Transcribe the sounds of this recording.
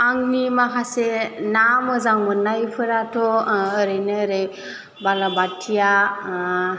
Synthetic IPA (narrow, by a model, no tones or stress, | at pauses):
aŋnimaɦasenamɯzaŋmɯnːajpʰɯɾatʰɔəɾejnəɾej | balabatʰija